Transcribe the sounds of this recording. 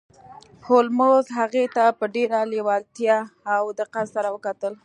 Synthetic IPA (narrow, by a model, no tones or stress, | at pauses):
holmozɦaɣet̪apəɖeɾalewɑlt̪jɑːwd̪əqazsaɾawəkat̪əl